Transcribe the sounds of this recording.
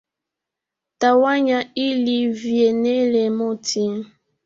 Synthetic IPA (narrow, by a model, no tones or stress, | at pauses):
tawaɲailivjenɛlɛmɔtʰi